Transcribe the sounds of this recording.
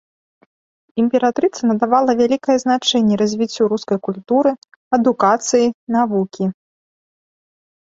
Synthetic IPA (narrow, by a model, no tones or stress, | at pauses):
imʲpʲɛɾat̪ɾɨt̪sɐnɐd̪avalˠɐvʲalʲikɐjɛznat͡ʂɛnʲːɛɾɐzʲvʲit͡sʲːuɾuskɐjkulʲt̪uɾɨ | ɐd̪ukat̪sɨjinavukʲi